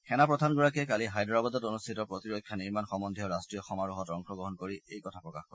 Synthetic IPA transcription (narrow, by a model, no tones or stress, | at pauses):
kɛnapɹɔd̪ʱanɡɔɹakɛkaliɦajdɔɹabɔd̪ɔtonustʰitɔpɹot̪iɹokʰːjaniɹmanxɔmɔnd̪ʱiɔɹastɹijɔxɔmaɹuɦɔtɔŋxɔɡɔɦɔnkoɹiejkɔtʰapɹɔkaxkɔɹɛ